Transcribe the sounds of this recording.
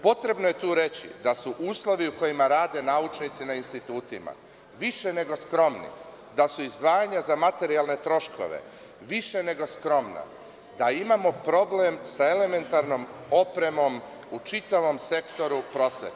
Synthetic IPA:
po̞t̪ɾe̞bnoje̞t̪uːɾe̞t͡ɕḭd̪asuʔuːslˠo̞ʋiuko̞jimaɾaːd̪e̞naut͡ʃnit̪sinainst̪it̪uːt̪ima̰ | ʋiʃe̞ne̞ɡo̞skɾo̞mnḭ | d̪asuizd̪ʋaːjaɲazamat̪e̞ɾialˠne̞t̪ɾo̞ʃko̞̰ʋḛ | ʋiʃe̞ne̞ɡo̞skɾo̞mna̰ | d̪aimamo̞pɾo̞blemsae̞le̞me̞nt̪aɾno̞mo̞pɾe̞mo̞m | ut͡ʃit̪aʋo̞mse̞kt̪o̞ɾupɾo̞sʋḛt̪

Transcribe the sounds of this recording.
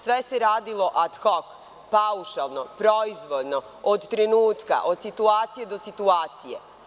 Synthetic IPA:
sʋe̞seɾaːd̪ilˠo̞ʔad̪xok | pauʃalˠnopɾo̞izʋo̞d̪no̞ | od̪t̪ɾenuːt̪ka̰ʔod̪̥sit̪uaːt̪sije̞d̪o̞sit̪uaːt̪sije

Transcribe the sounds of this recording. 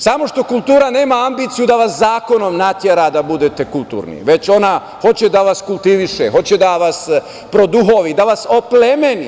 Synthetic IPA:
samo̞ʃt̪o̞kulˠt̪uːɾane̞ːmaambiːt̪sijud̪aʋaszaːko̞no̞mnat̪jeɾad̪abud̪e̞t̪e̞kulˠt̪ṵːɾnḭʋe̞t͡ɕo̞na | ho̞t͡ɕed̪aʋaskulˠt̪iʋiʃexo̞t͡ɕed̪aʋas | pɾo̞d̪uɦo̞ʋid̪aʋaso̞plemeni

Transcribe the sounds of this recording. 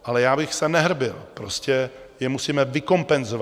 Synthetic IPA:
ʔalɛjaːbɪxsɛnɛɦr̩bɪlpɾo̞scɛjɛmusiːmɛvɪko̞mpɛnzova

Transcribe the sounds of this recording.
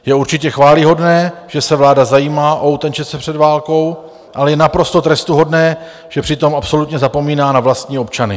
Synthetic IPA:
jɛuɾt͡ʃɪcɛxvaːlɪɦo̞dnɛːʒ̥ɛsɛvlaːdazajiːmaːʔo̞ut̪ɛnt͡ʃɛt͡sɛpr̝̥ɛdvaːlko̞w | ʔalɛjɛnapɾo̞st̪o̞t̪ɾɛst̪uɦo̞dnɛː | ʒ̥ɛpr̝̥ɪt̪o̞mapso̞lut̪ɲɛzapo̞miːnaːnavlast̪ɲiːo̞pt͡ʃanɪ

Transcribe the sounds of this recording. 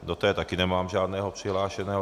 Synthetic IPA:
d̪ɔt̪ɛɛt̪akinɛmaːmʒɪaːd̪nɛːɦɔpriɦlaːʃɛnɛːɦɔ

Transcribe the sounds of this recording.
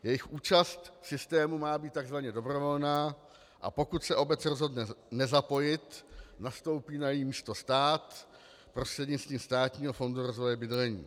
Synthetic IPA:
jɛjɪxʔuːt͡ʃast̪sɪst̪ɛːmumaːbiːt̪̚t̪ːaɡzvaɲɛdo̞bɾo̞vo̞lnaː | ʔa̰po̞kut̪sɛʔo̞bɛt͡sɾo̞zɦodnɛnɛzapo̞jɪt̪nast̪o̞wpiːnajjimiːst̪o̞st̪aːt̪ | pɾost̪r̥ɛdɲɪt͡sst̪viːmst̪aːt̪ɲiːɦofo̞nduɾo̞zvo̞jɛbɪdlɛɲḭː

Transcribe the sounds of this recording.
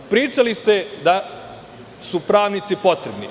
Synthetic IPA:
pɾiːt͡ʃalist̪ed̪a | supɾaːʋnit̪sipo̞t̪ɾebnḭ

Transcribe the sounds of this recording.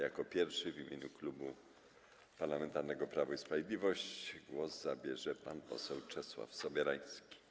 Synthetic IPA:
jakɔpʲjɛɾfʂɘvʲimʲjeɲuklubu | paɾlamɛnt̪aɾnɛɡɔpɾavuispɾavʲjed̪lʲivɔɕt͡ɕɡwɔzzabʲjɛʐɛpanpɔ̰sɛwt͡ʂɛswa̰fsɔbʲjɛɾaj̃skʲi̥

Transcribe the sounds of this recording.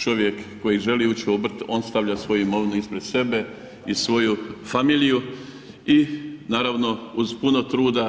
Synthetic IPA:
t͡ʃo̞ʋje̞kːo̞jiʒe̞liːut͡ʃiobr̩t̪o̞ːnst̪aʋʎasʋo̞juimo̞ʋinuispɾe̞d̪̥se̞be̞ | isʋo̞jufamiːliju | inaːɾaʋno̞uzpuno̞t̪ɾuːd̪a

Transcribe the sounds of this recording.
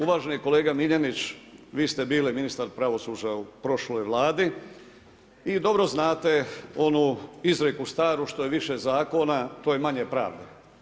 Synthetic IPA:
uʋaːʒeniko̞le̞ːɡamiʎenit͡ɕʋiːst̪e̞biːliminist̪aɾpɾaʋo̞suːd͡ʑaupɾo̞ʃlojʋlˠaːd̪i | id̪o̞bɾo̞znaːt̪e̞o̞nuizɾekust̪aːɾuʃt̪o̞je̞ʋiʃezaːko̞nat̪oːjemaɲepɾa̰ːʋd̪e

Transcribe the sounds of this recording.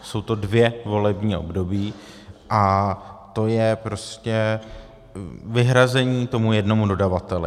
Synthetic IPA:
so̞wt̪o̞dvjɛvo̞lɛbɲiːʔo̞̰bdo̞biː | ʔat̪o̞jɛpɾo̞scɛ | vɪɦɾazɛɲiːt̪o̞mujɛdno̞mudo̞davat̪ɛlɪ

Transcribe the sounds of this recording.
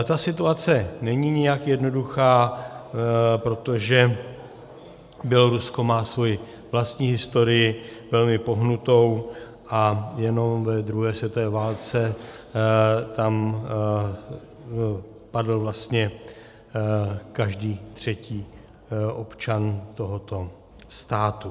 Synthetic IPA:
t̪asɪt̪uat͡sɛnɛɲiɲɪjakjɛdno̞duxaː | pɾo̞t̪o̞ʒɛ | bjɛlo̞ɾusko̞maːsvo̞jɪ | vlast̪ɲiːɦɪst̪o̞ɾɪjɪvɛlmɪpo̞ɦnut̪o̞w | ʔajɛno̞mvɛd̪ɾuɦɛːsvjɛt̪ovɛːvaːlt͡sɛ | t̪am | padl̩vlast̪ɲɛ | kaʒdiːt̪r̝̥ɛciː | ʔo̞pt͡ʃant̪o̞ɦo̞t̪o̞ | st̪aːt̪u

